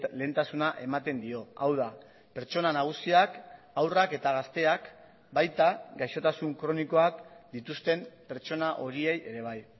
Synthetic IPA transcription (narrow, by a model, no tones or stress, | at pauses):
le̞nt̪asunaʔe̞mat̪e̞nd̪io̞awð̞a | pe̞ɾt͡ʃo̞nanaɣ̞usiak | awrake̞t̪aɣ̞ast̪e̞ak | bajt̪aɡajʃo̞t̪asuŋkɾo̞niko̞akd̪̥it̪ust̪e̞mpe̞ɾt͡ʃo̞naʔo̞ɾie̞je̞ɾe̞β̞aj